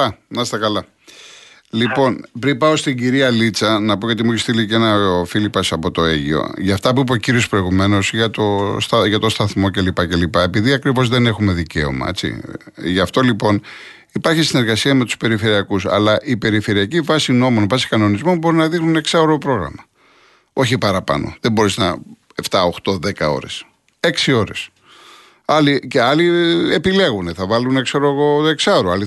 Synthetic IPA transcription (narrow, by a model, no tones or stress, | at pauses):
ɐnɐst̪ɐkɐlɐ | lipo̞npɾipɐo̞st̪iɲɟiɾiɐlit͡sɐnɐpo̞jot̪imuçest̪ilicenɐfilipɐsɐpo̞t̪o̞e̞ʝio̞̰ʝɐft̪ɐpuip̬ociɾiospɾo̞iɣume̞no̞sʝɐt̪o̞st̪ɐʝɐt̪o̞st̪ɐθmo̞ce̞lipɐce̞lipɐe̞piðiɐkɾivo̞zðe̞ne̞xume̞ðice̞̰o̞̰mɐ̰e̞t͡sḭʝɐft̪o̞lipo̞n | ipɐɾçisine̞ɾɣɐsiɐme̞t̪u̥spe̞ɾife̞ɾiɐkusɐ̰lɐʔipe̞ɾife̞ɾiɐcivɐsino̞mo̞nvɐsi̥kɐno̞nizmo̞nbo̞ɾinɐðixnune̞ksɐoɾopɾo̞ɣɾɐ̰mɐ | o̞çipɐɾɐpɐ̰no̞̰ðembo̞ɾiznɐ | eft̪ɐo̞xt̪o̞ðe̞kɐo̞̰ɾe̞̰s | e̞ksio̞ɾe̞s | ɐlice̞ɐliepile̞ɣune̞θɐvɐlunekse̞ɾoeɣo̞eksɐoɾoɐli